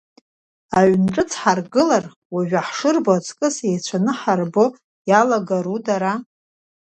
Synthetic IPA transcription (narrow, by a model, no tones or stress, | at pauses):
aɥnʈ͡ʂʼɨt͡sʰħarɡɨlar | waʒᶣaħʂɨrbot͡sʰʼkʼɨsejt͡ɕʷʰanɨħarbo | jalaɡaɾudaɾa